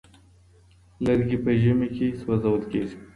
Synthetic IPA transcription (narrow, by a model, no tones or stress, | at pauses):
ləɾɡipəʒəmekʰeswazawəlkeʒi̥